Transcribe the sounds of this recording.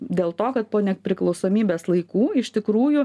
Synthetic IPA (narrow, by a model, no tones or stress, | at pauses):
d̪ʲeːlˠt̪oːkɐt̪̚poːnʲɛpʲɾʲɪklˠɒʊsoːmʲiːbʲeːslˠɐɪkuːɪʃt̪ʲɪkɾuːjʊ